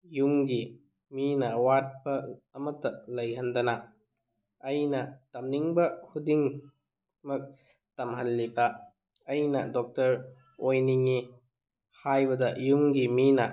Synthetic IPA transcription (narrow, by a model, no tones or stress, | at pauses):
juŋɡi | minɐwat̚pɐːmɐtːɐlɐjɦɐndɐna | ɐjnɐtɐmniŋbɐhudiŋ | mɐk̚ | tɐmɦɐlːibɐ | ɐjnɐ̰dɔk̚tɐɾojniŋi | hajbɐdɐjuŋɡiminɐ